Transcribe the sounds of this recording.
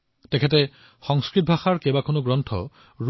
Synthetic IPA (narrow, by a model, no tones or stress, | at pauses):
tɛkʰɛtɛ | xɔŋskɹit̚bʱaxaɹkebakʰonoɡɹɔntʰɔ̰ | ɹ